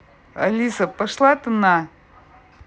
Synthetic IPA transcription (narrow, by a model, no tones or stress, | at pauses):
ɐ̰lʲisəpɐʂlˠat̪ɨna